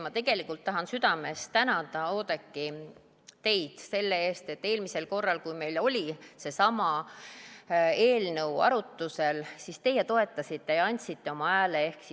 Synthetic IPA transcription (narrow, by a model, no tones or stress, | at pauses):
mɑt̪e̞ɡ̥e̞likːˑult̪ːɑɦɑnsyd̪̥ɑme̞st̪ænɑd̪̥ɑo̞ːd̪̥e̞kˑːi | t̪e̞jd̪̥se̞lːee̞ːst̪e̞t̪ːe̞ːlmise̞lko̞rːɑlkujme̞jlo̞lʲise̞sɑmɑ | e̞ːlnəwɑ̰ɾut̪ːˑuse̞lsist̪e̞jːet̪o̞e̞t̪ːˑɑsit̪ːe̞jɑɑnʲt̪sit̪ːe̞o̞mɑæːlee̞hksi